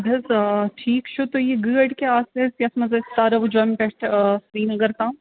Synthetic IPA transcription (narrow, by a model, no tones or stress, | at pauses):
bʱɐzʈʰiːkt͡ʃʰut̪ojeɡəːɖkeaːsesjɐsmɐzɐst̪aːɾɐʋud͡ʒoːmpɛʈsɾiːnɡɐɾt̪ãː